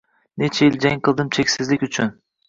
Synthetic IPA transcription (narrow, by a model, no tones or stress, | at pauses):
net͡ʃʰajild͡ʒaŋqʰɨlˠd̪ɨmt͡ʃʰekʲsɪzlɪkʲʊt͡ʃʰʊn